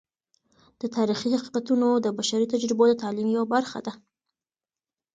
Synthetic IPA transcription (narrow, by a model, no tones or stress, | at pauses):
d̪̥ət̪ɑɾixihaqi̥qat̪unod̪əbaʃaɾit̪ad͡ʒɾɪbod̪ət̪ɑlimjawabaɾxa̰d̪a